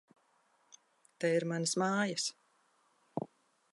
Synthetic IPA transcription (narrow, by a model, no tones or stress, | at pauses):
t̪ɛiɾmansmaːjas